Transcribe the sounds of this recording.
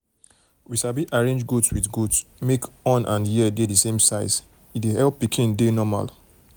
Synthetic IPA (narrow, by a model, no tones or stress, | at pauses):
wiʃabiʔaɹẽnd͡ʒɡotswiðɡotsmekɔ̃nʔãnjiədedisẽmsaɪs | itwehɛlpːikʰĩndenɔma̰l